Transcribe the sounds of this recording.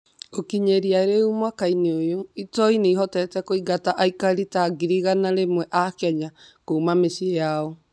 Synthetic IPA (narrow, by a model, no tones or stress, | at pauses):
okiɲeɾiaeɾeumwakaineojoitɔineihɔtɛtɛkoiɡataʔaikaɾitaɡiɾiɣanaɾemwɛʔakɛɲakoumamesiejaɔ